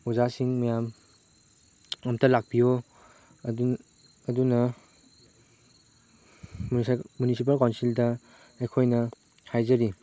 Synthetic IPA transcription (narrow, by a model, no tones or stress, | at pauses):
uzasiŋmɐjam | ɐmtʰɐlak̚bijo | ɐdunɐ | munisip̬ɐlkawnsildɐ | ejkʰojnɐ | hajzɐɾi